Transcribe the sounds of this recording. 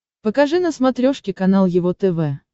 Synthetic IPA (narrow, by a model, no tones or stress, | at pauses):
pəkɐʐɨnəsmɐt̪ɾʲoʂkʲɪkɐn̪alˠjɪvot̪ɛvɛ